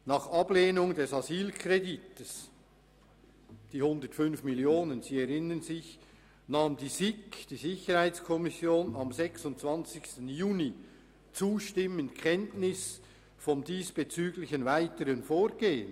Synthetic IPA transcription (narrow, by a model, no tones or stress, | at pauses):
nɑːχɑbleːnʊŋdɛsɑziːlkʰʁeditəs | d̥iːhʊndətfʏnfmiljoːnənz̥iːɛɾɪnənzɪç | naːmdiːzɪkd̥iːzɪçəhaɪt͡skʰɔmɪsjoːnɑmzɛksʊntt͡sv̥ɑnt͡sɪçstn̩juːni | t͡suːʃtɪməntkʰɛntnɪs | fɔmdiːsb̥et͡syːɡlɪçənvaɪtəʁənfoːɾɡ̥eːən